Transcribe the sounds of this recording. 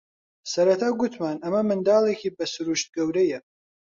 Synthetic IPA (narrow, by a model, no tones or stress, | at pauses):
sɐɾɐt̪ʰaːɡut̪ʰmaːnɐmɐmɨnd̪aːlˠekʰiːbɐsɨɾuʃt̪̚ɡɐwɾɐjɐ